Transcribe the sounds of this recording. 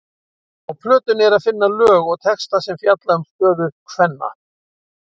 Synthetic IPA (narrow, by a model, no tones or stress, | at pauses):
awpʰlœːt̪ʏnɪɛɾaðfɪnːalœːɣɔɣt̪ʰɛkst̪asɛmfjat̪laʏmst̪œːðʏkʰvɛnːa̰